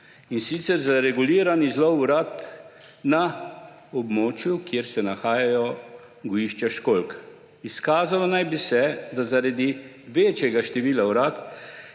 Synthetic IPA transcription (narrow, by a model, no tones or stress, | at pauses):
insit̪sɛɾzaɾɛɡuliːɾanizlɔwuɾat̪ | na | ɔbmoːt͡ʃjukjeɾsɛnaxaːjajɔ | ɡɔjiːʃt͡ʃaʃkolk | iskaːzalɔnajbisɛd̪azaɾad̪i | ʋeːt͡ʃjɛɡaʃt̪ɛʋiːlawɾat̪